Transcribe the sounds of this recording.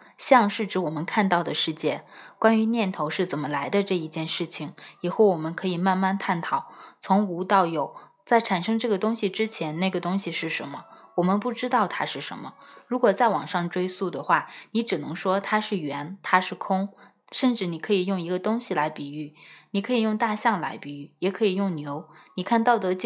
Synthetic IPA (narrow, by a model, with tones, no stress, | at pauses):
ɕjɑ˥˧ŋʂɻ̩˥˩ʈ͡ʂɻ̩˧˥wɔ˨˩mə˦nkʰa˥˧nt̪ɑ˥˩ʊd̪ə˩ʂɻ̩˥˧t͡ɕjɛ˥˩kwa˥ny˧˥njɛ˥˩nt̪ʰo˧˥ʊʂɻ̩˥˩t͡sə˨˩nmə˦la˧˥ɪd̪ə˧ʈ͡ʂɤ˥˧˩i˧˥t͡ɕjɛ˥˧nʂɻ̩˥˩t͡ɕʰi˨˩ŋi˨˩xo˥˩ʊwɔ˨˩mə˦nkʰɤ˧˥i˨˩ma˥˧nma˥˧nt̪ʰa˥˩nt̪ʰɑ˨˩˦ʊt͡sʰʊ˧˥ŋu˧˥t̪ɑ˥˩ʊjo˨˩˦ʊ | t͡sa˥˩ɪʈ͡ʂʰa˨˩nʂɤ˥ŋʈ͡ʂɤ˥˩ɡə˩t̪ʊ˥ŋɕi˨ʈ͡ʂɻ̩˥t͡ɕʰjɛ˧˥nna˥˩ɡə˩t̪ʊ˥ŋɕi˨ʂɻ̩˥˩ʂə̰˧˥nmə˧wɔ˨˩mə˦npu˥˩ʈ͡ʂɻ̩˥t̪ɑ˥˩ʊt̪ʰa̰˥ʂɻ̩˥˩ʂə̰˧˥nmə˧ɻu˧˥kwɔ˨˩t͡sa˥˩ɪwɑ̰˨˩ŋʂɑ˥˩ŋʈ͡ʂwe˥ɪsu˥˩d̪ə˩xwa˥˩ni˧˥ʈ͡ʂɻ̩˨˩nɤ˧˥ŋʂwɔ˥t̪ʰa˥ʂɻ̩˥˩ɥɛ˧˥nt̪ʰa˥ʂɻ̩˥˩kʰʊ˥ŋ | ʂə˥˧nʈ͡ʂɻ̩˥˩ni˨˩kʰɤ˧˥i˨˩jʊ˥˩ŋi˧˥ɡə˧t̪ʊ˥ŋɕi˨˩la˧˥ɪpi˨˩y˥˩ni˨˩kʰɤ˧˥i˨˩jʊ˥˧ŋt̪a˥˧ɕjɑ˥˩ŋla̰˧˥ɪpi˨˩y˥˩jɛ˨˩kʰɤ˧˥i˨˩jʊ˥˩ŋnjo˧˥ʊni˨˩kʰa˥˧nt̪ɑ˥˩ʊt̪ɤ˧˥t͡ɕ